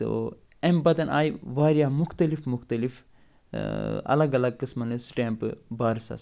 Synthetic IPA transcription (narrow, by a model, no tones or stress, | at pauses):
t̪o̰ | embɐt̪ɐnʔa̰ːjiʋaːɾijaːmʊxt̪ɐlifmʊxt̪ɐlif | ɐ̰lɐɡɐlɐɡ̚kɨsmɐnɨsʈeːmpɨ̰baːɾsɐ̰s